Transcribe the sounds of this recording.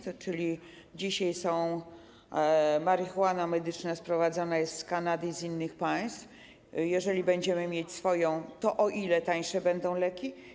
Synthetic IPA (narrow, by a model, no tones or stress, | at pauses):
t̪t͡ʂɘlʲi | d͡ʑiɕajsɔ̃w̃ | maɾixuanamɛd̪ɘt͡ʂnaspɾɔvad̪zanajɛst̪skanad̪ɘizinːɘxpaj̃st̪f | jɛʐɛlʲibɛɲd͡ʑɛmɘmʲjet͡ɕsfɔjɔ̃w̃t̪ɔʔɔʔilɛt̪aɲ̃ʂɛbɛnd̪ɔ̃w̃lɛkʲi